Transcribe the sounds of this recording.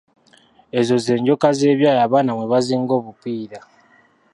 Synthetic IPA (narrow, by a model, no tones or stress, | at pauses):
e̞zo̞ze̞ːɲɟo̞kaze̞ːβjaːjaːβaːnamwe̞βaziːŋɡo̞ːβupiːɾa